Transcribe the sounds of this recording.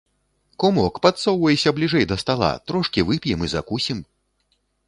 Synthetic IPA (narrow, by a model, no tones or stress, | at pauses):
kɔmɔkpat̪sɔwvɐjɛsʲɐblʲiʐɛjd̪ɐst̪alˠa̰t̪ɾɔʂkʲivɨpʲjɛmɨzakusʲim